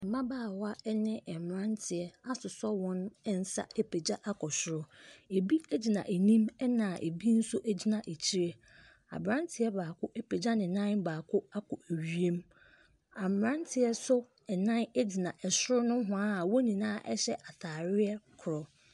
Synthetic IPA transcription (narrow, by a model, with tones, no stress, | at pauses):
ɛ˨mã˦baː˦˨wa˦ɛ˦nɪ̃˦ɛ˨mm˨ɾã˦ntʰɪ˨ɛ˨a˦sʊ˨sɔ˦wɔ̃˦n˦n̩˨sa̰˦e˦pʰe˨d͡ʑa˦ʔa˦kʰɔ˨ɕɪ˨˦ɾʊ˦e˨bi˦æ˦d͡ʑi˨nã̰˨ʔe˨nĩ˦mɛ˦nã˨ʔḛ˨bi˦n̩˦sʊ˦ʔæ˨d͡ʑi˨nã˨ʔe˨t͡ɕʰi˦ɾe˦ | a̰˨bɾã˦ntʰɪ˨ɛ˦baː˨kʰʊ˦ʔe˦pe˨d͡ʑa˦nɪ̃˨nã˦nbaː˨kʰʊ˦a˦kʰɔ˨æ˨ɥi˦e˦m | a˨mm˨ɾã˦ntʰɪ˨ɛ˦sʊ˦ | ɛ˨nã˦ne˦d͡ʑi˨nã˨ʔɛ˨sʊ˦ɾʊ˦nʊ̃˦ɦʊ̃˨a˦a˨wɔ˦ɲĩ˨nãː˦ʔɛ̰˦ɕɛ˦ʔa˨tʰaː˨ɾɪ˦ɛ˦kʰʊ˨ɾɔ˨